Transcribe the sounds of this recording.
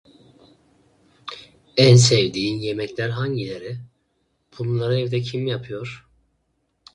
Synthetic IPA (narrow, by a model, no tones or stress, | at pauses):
ænsɛvd̪iːnjemɛclʲæɾɦaɲɟilʲeɾɪ | b̥unnlˠaɾaɛvd̪ɛcʰimjapʰɯjo̞ɾ̥